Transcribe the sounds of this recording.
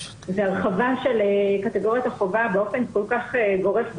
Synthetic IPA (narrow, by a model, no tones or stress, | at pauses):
zeaʁχavaʃelekat̪eɡo̞ʁjat̪aχovabeo̞fe̞nko̞lkaχeɡo̞ʁefb